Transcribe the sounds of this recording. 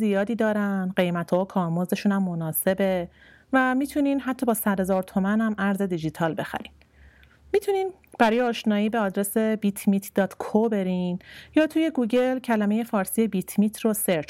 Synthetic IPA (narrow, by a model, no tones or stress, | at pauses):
zijɒːd̪iːd̪ɒːɾænnɢe̞jmæt̪ʰɒːokʰɒːɾmoze̞ʃunæmːo̞nɒːse̞be̞ | væmiːt̪ʰuniːnɦæt̪ʰːɒːbɒːsæd̪hezɒːɾt̪ʰomænæmʔæɾze̞d̪id͡ʒit̪ʰɒːlbe̞xæ̰ɾin | mit̪ʰuniːn | b̥æɾɒːjeɒːʃnɒːiːbeɒːd̪ɾesebiːt̪ʰmiːt̪ʰd̪̥ɒːt̪ʰkʰobe̞ɾinjɒːt̪ʰuje̞ɡuːɟe̞lcʰælæme̞je̞fɒːɾsiːjebit̪ʰmiːt̪ʰroseɾt͡ʃ